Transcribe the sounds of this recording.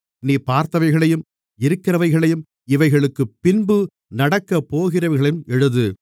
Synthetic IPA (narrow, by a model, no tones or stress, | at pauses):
niːpaːɾt̪ɐʋɐɪɣɐɭɐjɯm | ɪɾɯkːɪɾɐʋɐɪɣɐɭɐjɯm | ɪʋɐɪɣɐɭɯkːɯpːɪnbɯ | nɐɽɐkːɐpːoːɣɪrɐʋɐɾɣɐɭɐjɯmɛɻɯðɯ